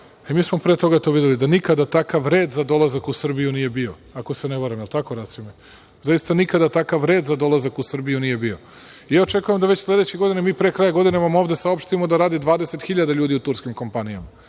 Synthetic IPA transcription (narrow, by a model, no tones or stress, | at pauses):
emiːsmo̞pɾe̞ːt̪o̞ɡat̪o̞ːʋid̪elid̪anikad̪at̪akaʋɾeːd̪zad̪o̞lˠazakusr̩bijunije̞bio̞ | akoseneboɾamjelt̪akoɾasime | zajist̪anikad̪at̪akaʋɾe̞ːd̪zad̪o̞lazakusr̩bijunije̞bio̞ | ijao̞t͡ʃe̞kujemd̪aʋet͡ɕslˠe̞d̪e̞t͡ɕeɡo̞d̪inemiːpɾekɾajaɡo̞d̪ineʋamo̞ːʋd̪e̞saopʃt̪imo̞d̪aɾaːd̪id̪ʋaːd̪e̞set̪xiʎad̪aʎuːd̪iut̪uɾskimko̞mpanijama